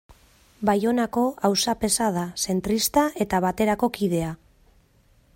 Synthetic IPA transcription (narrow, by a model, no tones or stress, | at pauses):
bajo̞nako̞awsape̞sað̞ase̞nt̪ɾist̪aʔe̞t̪aβat̪e̞ɾako̞kið̞e̞a